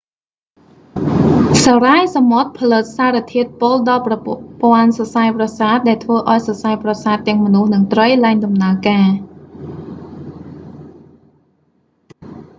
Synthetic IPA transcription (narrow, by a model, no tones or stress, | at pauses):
sɑrajsamot̪̚pʰɑlɨt̪̚saːɾĕt̪ʰiət̪̚poːlɗɑlprɑppoənsɑsajprɑsaːt̪̚ɗaɛlt̪ʰʋəːʔaɔjsɑsajprɑsaːt̪ːɛ̆əŋmɔnuhnɨŋt̪rəjlaɛŋɗɑmnaəkaː